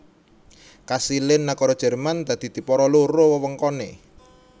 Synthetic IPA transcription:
kasilɪnːakɔɾɔd̥ʒ̥ɛ̤rmand̪̥a̤d̪̥i̤d̪̥i̤pɔɾɔloɾowəwəŋkɔnḛ

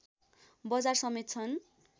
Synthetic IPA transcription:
bʌd͡zarsʌmet̪̚t͡sʰʌn

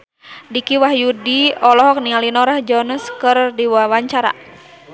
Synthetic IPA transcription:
dikiwahjudiɔlɔɦɔk̚nialinɔɾahd͡ʒɔnəskɨrdiwawaɲt͡ʃaɾa̰

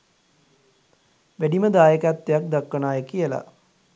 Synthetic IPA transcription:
ʋæɖiməd̪aːjəkæt̪ːejak̚d̪akːənaːjəkijəla̰

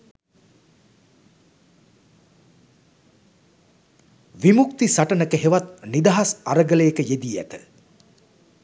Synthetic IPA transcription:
ʋimuk̚t̪isaʈənəkəɦeʋat̪̚nid̪aɦasaɾəɡələjekəjed̪iːæ̰t̪ə̰

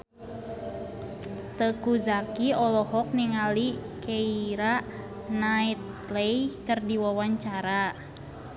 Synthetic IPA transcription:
t̪əkuzakiɔlɔhɔk̚niŋali | keiɾaʔ | nait̪̚ | lejkərdiwawaɲt͡ʃaɾa

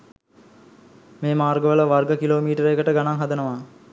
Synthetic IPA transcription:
meːmaːrɡəʋələʋarɡəkiloːmiːʈəɾeːkəʈəɡanaŋɦad̪ənəʋa

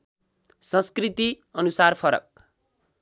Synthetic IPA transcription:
sʌ̃nskrit̪i | ʌnusarpʰʌɾʌ̰k̚

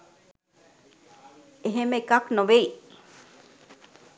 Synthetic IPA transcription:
eɦemekaknoʋei

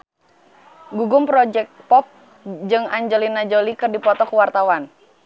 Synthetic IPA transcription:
ɡuɡʊmpɾɔd͡ʒɛk̚pɔp̚ | d͡ʒɨŋaɲd͡ʒɛlinad͡ʒolikɨrdipɔt̪ɔkuwart̪awan

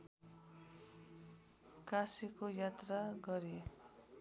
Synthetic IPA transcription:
kasikojat̪raɡʌɾi

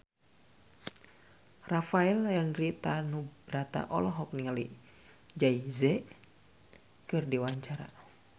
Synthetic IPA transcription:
rafaɛlɛnrit̪anubɾat̪a̰ʔɔlɔɦɔk̚niŋalḭ | d͡ʒaizɛ | kɨrdiwaɲt͡ʃaɾa̰

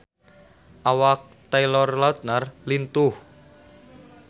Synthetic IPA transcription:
ʔawak̚t̪ajlɔrlat̪̚narlint̪ʊh

